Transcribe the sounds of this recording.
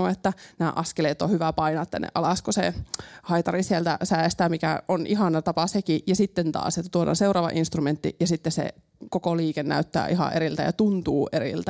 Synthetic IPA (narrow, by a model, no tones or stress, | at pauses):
oet̪ːænæːʔɑskeleːt̪ːohyʋæpɑinɑːt̪ːæ̰nːḛʔɑlɑskosḛhɑit̪ɑrisielt̪æ̰sæˑest̪æmikæonʔiɦɑnɑt̪ɑpɑsekijɑsit̪ːent̪ɑ̰ːsjet̪ːæt̪uolo̰nseurɑːʋɑ̰ʔinst̪rument̪ːḭjɑsit̪ːesḛ | kokoliːkennæ̰yt̪ːæ̰ːʔihɑ̰ʔeɾilt̪æ̰jɑt̪unt̪uːʔeɾḭlt̪æ